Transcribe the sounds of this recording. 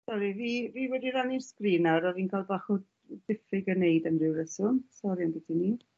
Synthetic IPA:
sɔɾiviːviːwɛdiɾanirskriːnaɾɔviːnkʰalˠbaχɔ | dɪfɪɡənejdənrɪwɾəsʊmsɔɾianditʰiniː

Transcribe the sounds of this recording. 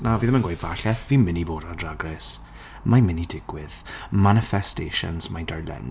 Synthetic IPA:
naviːðəmanɡwajdvaɬɛθviːmɪniboːdadraɡrɪs | majmɪnidɪɡwɪð̥manɪfɛstḛʃə̰nz̥mandɔjlˠɛ̰n

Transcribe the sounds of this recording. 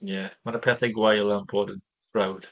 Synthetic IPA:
jɛmanəpʰɛːθɛɡwajlˠanbʰɔːdən | ɹawd̥

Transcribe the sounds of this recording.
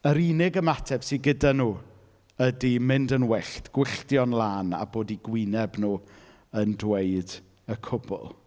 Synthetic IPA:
əɾiːnɪɡəmatʰɛb̥siɡədanuː | ədimɪndənwɛɬtɡ̥wɪɬdjɔnlˠaːna̰boːdiɡwinɛbnuː | əndwejd | əkʰʊbʊ̰lˠ

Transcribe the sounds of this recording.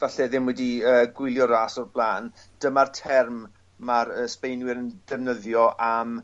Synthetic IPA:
vaɬɛðɪmwɛdiəːɡwɪlˠjɔɾaːsɔrb̥lˠaːn | d̥əmartʰɛrmː | aɾəːspejnwɪɾənd̥ɛvnəðjɔʔam

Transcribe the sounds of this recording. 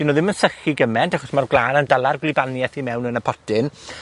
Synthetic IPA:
d̥inoðɪmənsəχiɡəmɛntʰaχɔsmarɡlˠaːnəndalˠarɡlɪbanjɛθimɛwnənəpʰɔtʰɪn

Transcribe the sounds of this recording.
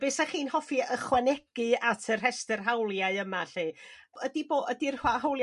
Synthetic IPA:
beːsaχiːnhɔfiəχwanɛɡ̥ɨatʰərrɛstərɦawlˠjaɨəmaɬiːədiboːədirhwahawlˠj

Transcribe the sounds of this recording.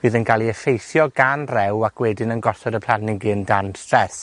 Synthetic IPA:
v̥ɨːðənkʰalˠiəfejθjɔɡanrɛwakʰwɛdɪnənɡɔsɔdəpʰlˠanɪɡɨndanstrɛθ

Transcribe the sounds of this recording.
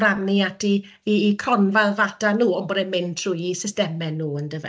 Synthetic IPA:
raniatʰi | iːkʰɔnvalˠvad̥anuːɔnbɔdɛmɪntʰr̥ujisɪstɛmɛnuːəndəvɛ̰

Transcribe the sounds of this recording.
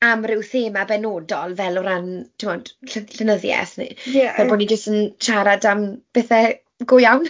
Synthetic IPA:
amrɪwθeːmabɛnoːdɔlˠvɛlɔɾantʰɪmɔd̥ɬəɬənəðjɛ̰θnḭɛvɛlboːnid͡ʒəstənʃaɾadamb̥ɛθɛ | ɡʊjawn

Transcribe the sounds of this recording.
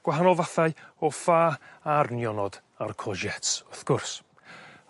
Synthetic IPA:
ɡ̥waɦanɔlˠvaθaɨɔfaːarnjɔnɔd | arkʰɔʒɛtsʊθɡ̥ʊrs

